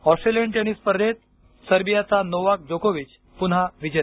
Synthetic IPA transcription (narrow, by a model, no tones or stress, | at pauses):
ɔsʈɾeləɳʈeñispəɾd̪et̪̚ | səɾbijat͡sanoʋak̚d͡ʑokoʋit͡ɕ | pun̤aʋid͡ʑe